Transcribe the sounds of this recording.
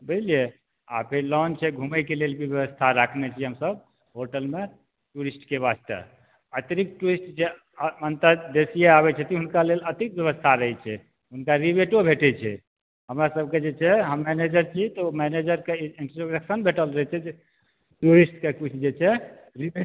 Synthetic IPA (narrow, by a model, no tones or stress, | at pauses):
bəlie | a̰pʰelɔnt͡ʃʰɛɡʱumɛkelelbʱibjəβəst̪ʰaɾakʰnɛt͡ʃʰiɦəmsəb | ɦoɾʈəlme | ʈuɾisʈkeβast̪ə̰ | ət̪ɾik̚ʈuɾisʈd͡ʒe | mənt̪əd̪esijeaβɛt͡ʃʰɛt̪iɦunkalelət̪ik̚bjəβəst̪ʰaɾəɦɛt͡ʃʰɛ | ɦunkaɾibeʈobʱeʈɛt͡ʃʰɛ̰ | ɦəmɾasəb̚ked͡ʒet͡ʃʰɛɦəmːɛned͡ʒəɾt͡ʃʰit̪ɔmɛned͡ʒəɾkeinʈɾoɾəksənbʱeʈəlɾəɦɛt͡ʃʰɛ | ʈuɾisʈkekut͡ʃʰd͡ʒet͡ʃʰɛ | ɾi